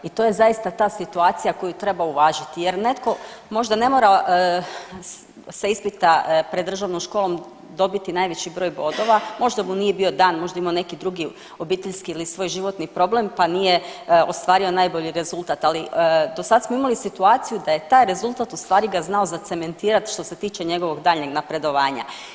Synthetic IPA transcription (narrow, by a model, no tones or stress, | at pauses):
it̪o̞je̞zajist̪at̪aːsit̪uaːt̪sijako̞jut̪ɾe̞bauʋaːʒit̪ije̞ɾne̞t̪ko̞mo̞ʒd̪ane̞mo̞ːɾa | seispit̪apɾed̪ːr̩ʒaʋnomʃkoːlˠo̞m | d̪o̞bit̪inajʋe̞t͡ɕibɾo̞ːjbo̞d̪o̞ʋamo̞ʒd̪amunije̞bio̞d̪aːnmo̞ʒd̪aimaone̞kid̪ɾuɡi | o̞biːt̪e̞ʎskiilisʋo̞ːjʒiʋo̞t̪nipɾo̞ble̞mpanijeo̞st̪ʋaːɾio̞naːjbo̞ʎiɾe̞zulˠt̪at̪alid̪o̞sad̪asmoimalisit̪uaːt̪sijud̪aje̞t̪aːjɾe̞zulˠt̪at̪ust̪ʋaːɾiɡaznao̞zat̪se̞me̞nt̪iːɾat̪ʃt̪o̞se̞t̪iːt͡ʃeɲe̞ɡo̞ʋo̞ɡd̪aːʎɲeɡnapɾe̞d̪o̞ʋaːɲa̰